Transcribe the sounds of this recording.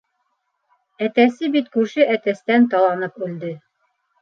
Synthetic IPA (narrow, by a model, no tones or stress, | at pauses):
æt̪æsɘbit̪kʉɾʃɘʔæt̪æst̪ænt̪ɑlˠɑnɤpʉld̪ɘ